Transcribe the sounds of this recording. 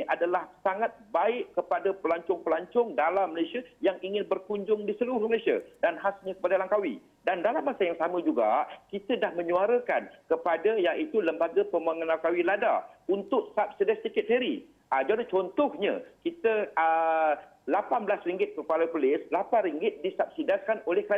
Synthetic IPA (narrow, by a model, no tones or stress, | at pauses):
ʔadalahsaŋat̪̚baɪʔkəpadapəlaɲt͡ʃʊŋpəlaɲt͡ʃʊŋdalamːəlasiajaŋiŋɪnbərkuɲd͡ʒʊŋdisəluɾʊhməlasia̰danɦasɲə̃kə̥padalaŋkawḭ | dandalamːasajaŋsamə̃d͡ʒuɡa̰kit̪ədahmə̃ɲuaɾəkankəpadəjaŋʔit̪uləmbaɡəpəmaŋənlalkawilada̰unt̪ʊʔsap̚sədɛst̪ikɪt̪̚heɾi | ad͡ʒadat͡ʃɔnt̪ɔhɲã̰kit̪əə | lapanbəlasriŋɡɪt̪̚kəpaləpəlɪslapanɾiŋɡɪt̪̚disap̚sidaskanolɛhkəɾa